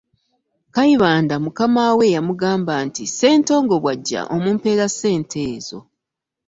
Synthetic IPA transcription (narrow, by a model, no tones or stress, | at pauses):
kaiβaːndamukamawe̞jamuɡaːmbaːntise̞ːnto̞ːŋɡo̞βwaɟːa̰ʔo̞muːmpe̞ɾase̞ːntʰe̞ːzo̞̰